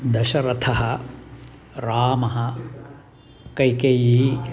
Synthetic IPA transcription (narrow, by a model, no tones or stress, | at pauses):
d̪ɐʃɐɾɐt̪ʰɐɦɐ | ɾaːmɐɦɐ | kɐjkejii